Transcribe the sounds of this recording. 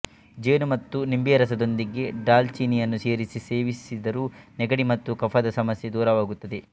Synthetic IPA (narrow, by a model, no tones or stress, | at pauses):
d͡ʒeːnumɐt̪ːunimbijɐɾɐsɐd̪o̞nd̪iɡe̞ɖaːlt͡ʃiːnijɐnːuseːɾisise̞ːʋisid̪ɐɾuːnɛɡɐɽimɐt̪ːukɐpʰɐd̪ɐsɐmɐsjed̪uːɾɐʋaːɡut̪ːɐd̪e̞